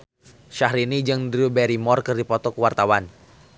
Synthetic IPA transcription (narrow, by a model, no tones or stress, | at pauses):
ʃahɾinid͡ʒɨŋdɾiubɛɾimɔrkɨrdipɔt̪ɔkəwart̪awan